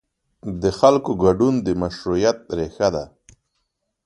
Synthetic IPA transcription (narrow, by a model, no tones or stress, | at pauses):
d̪əxalkoɡaɖund̪əmaʃɾujat̪̚ɾexad̪a